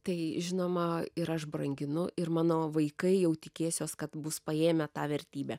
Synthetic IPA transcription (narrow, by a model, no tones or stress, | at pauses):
t̪ɐɪʒʲɪnoːmɐɪɾɐʃbrɐŋʲɡʲɪnʊʔɪɾmɑːnoːʋɐɪkɐɪjɛʊt̪ʲɪkʲeːsʲoːskɐt̪bʊspɐeːmʲɛt̪ɑːʋʲɛɾʲt̪ʲiːbʲæː